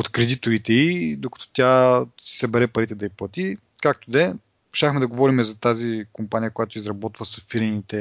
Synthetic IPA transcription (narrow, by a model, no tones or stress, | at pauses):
ot̪kɾɛd̪it̪oɾit̪ɛid̪okɐ̥t̪ɔ̥t̪ʲasi̥sɐbɛɾɛpɐɾit̪ɛd̪ɐiplˠɐt̪i | kak̚t̪od̪ɛ | ʃaxmɛd̪ɐɡovɔɾimɛzɐt̪azikompanʲijəkojat̪oizɾɐbɔt̪vəsɐfiɾnit̪ɛ